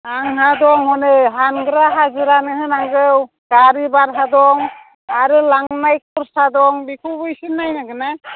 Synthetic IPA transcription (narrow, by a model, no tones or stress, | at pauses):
aŋɦadɔŋhɔnɯɦanɡɾaɦazɯɾanɯɦɯnaŋɡɯw | ɡ̥aɾibaɾɦadɔŋ | aɾɯlaŋnajk̚uɾsadɔŋbikʰubujsinːajnaɡɯna